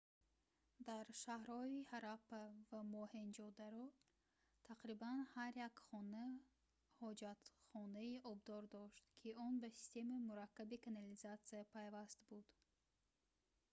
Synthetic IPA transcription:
d̪aɾʃahɾɔihaɾapːavamɔhend͡ʒɔd̪aɾɔ | t̪ʰaqɾibanhaɾjakχɔna | hɔd͡ʒat̪χɔnaiʔɔb̚d̪ɔɾd̪ɔʃt̪kʰiɔnbasi̥st̪e̞mimuɾakːabikʰanalizat̪siapʰajvast̪bud̪̥

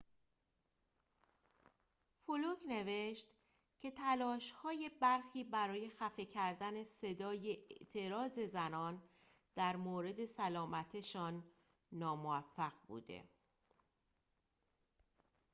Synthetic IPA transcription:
folokʰne̞ve̞ʃt̪ | cʰe̞t̪ʰælɒːʃhɒːje̞bæɾxiːbæɾɒːje̞xæfe̞cʰæɾd̪æne̞se̞d̪ɒːje̞ʔeʔt̪ʰe̞ɾɒːze̞zænɒːn | d̪̥æɾmoːɾe̞d̪e̞sælɒːmæt̪ʰeʃɒːnː | ɒːmoæfːæɣbṵːd̪e̞̰

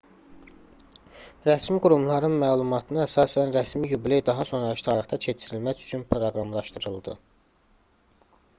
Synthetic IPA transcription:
ɾæsmiɡuɾumlˠɑɾɯnmæːlˠumɑt̪ʰɯnɯæsɑːsænɾæsmijublejd̪ɑɦɑso̞nɾɑʃt̪ʰɑɾɯχt̪ʰɑt͡ʃʰe̞t͡ʃʰiɾilmæt͡ʃy̥t͡ʃʰynpʰɾo̞ɡɾɑmlˠɑʃt̪ɯɾɯlˠd̪ɯ

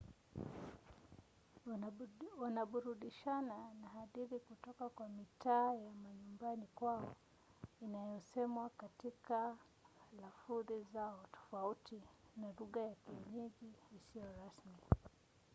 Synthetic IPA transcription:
wanaɓuɾuɗiʃananaɦaðiɾikutɔkakwamitʰaːjamaɲumbanikwaɔ | inajɔsɛmwakatika | lafuðizaɔtɔ̥fautinaluɠajakiɛɲɛɡiːsijɔɾasmi

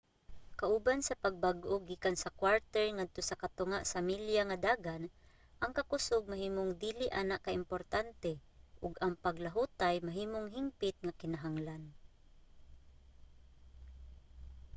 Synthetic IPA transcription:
kaʔʊbansɐpaɡ̚baɡʔoɡiːkansɐkwaɹt̪ɛɹŋad̪̚t̪osɐkat̪ʊŋaʔsamiljaŋad̪aːɡan | ʔɐŋkɐkʊsoɡ̚mahiːmoŋd̪iːlɪʔanaʔkaʔɪmpoɾt̪ant̪ɛʔʊɡɐŋpaɡlaɦut̪ajmaɦiːmoŋɦɪmpɪt̪̚ŋakɪnaɦaŋlan

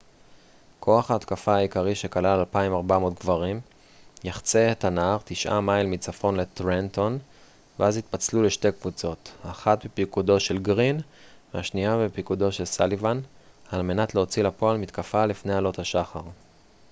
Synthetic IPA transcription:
kʰo̞aχaːt̪kafaːikaʁiʃe̞kalalalpaimaʁbamo̞tɡvaʁim | jaχt͡setanaʁt̪iʃʔa̰majlmit͡safo̞nletʁent̪o̞n | veazhit̪̚pat͡sluleʃte̞kvut͡so̞taχatbepikudo̞ʃe̞lɡʁinveaʃniabepikudo̞ʃe̞lsalivanalme̞natleot͡silapo̞almit̪kafalifnealo̞thaʃaχaʁ

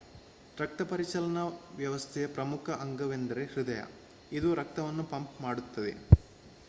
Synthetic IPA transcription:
ɾɐk̚t̪ɐpɐɾit͡ʃɐlɐnɐʋjɐʋɐst̪ʰɛjɐpɾɐmukʰɐʔɐŋɡɐʋe̞nd̪ɐɾe̞hɾud̪ɐjɐ̰ | id̪uɾɐk̚t̪ɐʋɐnːupɐmpmaːɽut̪ːɐd̪e̞̰

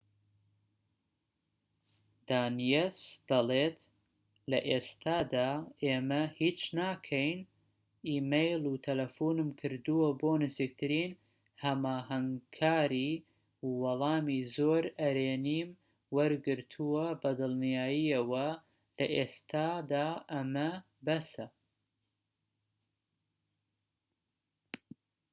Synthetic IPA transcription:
d̪̥aːnijesd̪̥ɐleːt̪ | lɐʔeːst̪aːd̪aːeːmɐhiːt͡ʃnaːkʰɐjn | iːmejlˠut̪ʰɐlɐfuːnɨmkʰɨɾd̪uwɐboːnɨziːk̚t̪ʰɨɾiːn | hɐmaːɦɐŋkʰaːɾiː | wɑlˠɑːmiːzoːɾɐɾeːniːm | wɐɾɡɨɾt̪ʰuwɐbɐd̪ɨlˠnijaːjiɐwɐ | lɐʔest̪ʰaːd̪aːʔɐmɐ | bɐsɐ

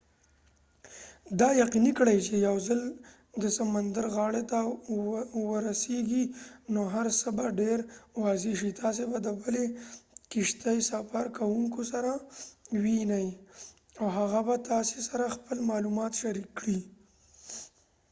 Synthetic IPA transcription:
d̪ɑjaqinikɽajt͡ʃejawzəl | d̪əsamand̪aɾɣɑɽet̪a | wəɾaseɡinoɦaɾsəbaɖeɾwɑzeʃ̬it̪ʰɑs̬ebad̪əbəlekiʃt̪ajsafaɾkawuŋkosaɾawinaj | awɦaɣabat̪ɑsesaɾaxpəlmɑlumɑt̪ʃaɾikːɽi

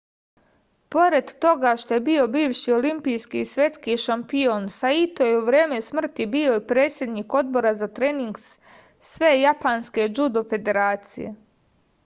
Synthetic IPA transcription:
po̞ɾe̞d̪ːo̞ɡaʃt̪o̞jebio̞biːʋʃio̞limpijskiːsʋje̞t̪skiʃampio̞nsait̪ojeuʋɾe̞ːmesmr̩t̪ibio̞ipɾe̞ːt̪sʲje̞d̪niːko̞d̪̚bo̞ɾazat̪ɾeːniŋɡs | sʋe̞ːjapanske̞d͡ʒud̪o̞fe̞d̪e̞ɾaːt̪sḭjḛ

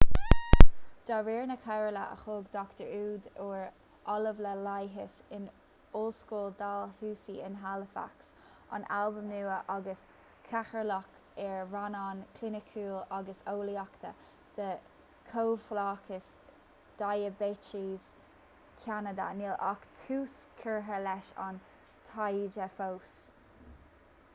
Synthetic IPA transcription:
d͡ʒ̥aɹiːɹnəkʰɛɹələ̰ə̰xoːɡd̪ɔkt̪əɹuːd̪oːɹ | ʔɔləvləlajɦɪsɪn | olskuːld̪aːlhuːsiɪnɦaləfa̰ks | a̰nalbəmnuːəʔaɡəs | kʰaxəɹlɔk | ɛɹɹanɑnkʰlɪnɪkʰuːlaɡəsoːliakt̪ʰə̰ | d̪̥ə | kʰoːflaːkʰəs | d̪̥ajəbet͡ʃiz | kʰanəd̪ə̰nilʔakt̪ʰuːs | kʰəɹɦəlɛʃɑ̰n | t̪ʰajd͡ʒəfows

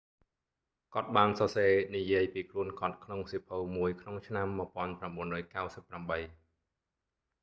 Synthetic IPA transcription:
kŏət̪̚ɓaːnsɑseːnijiəjpiːkʰluənkŏət̪̚kʰnoŋsipʰowmuəjkʰnoŋt͡ɕʰnamːə̆pŏənpramɓuənrɔːjkawsəpːramɓəj

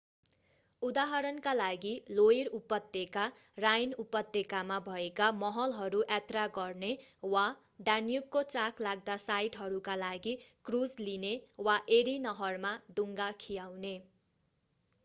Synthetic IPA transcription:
ud̪aɦʌɾʌnkalaɡiloiɾupʌt̪ːeka | rajnupʌt̪ːekamabʱʌekamʌɦʌlɦʌɾuʔat̪raɡʌrnewa | ɖanjub̚kot͡saklaɡ̚d̪asajʈɦʌɾukalaɡikrud͡zlinewaʔeɾinʌɦʌrmaɖuŋɡakʰijawne

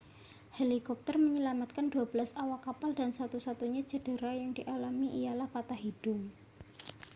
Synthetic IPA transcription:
helikɔp̚t̪ərməɲəlamat̪̚kanduabəlasawakapaldansat̪usat̪uɲad͡ʒə̤də̤ɾajaŋd̥iʔalamiʔijalahpat̪aɦid̥ʊŋ

